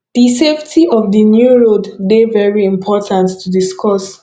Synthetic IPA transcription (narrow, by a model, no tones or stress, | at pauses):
ðiseftʰiʔɔvðinjuɹoddevɛɹiɪ̃mpʰɔtʰãntːʰudiskʰɔs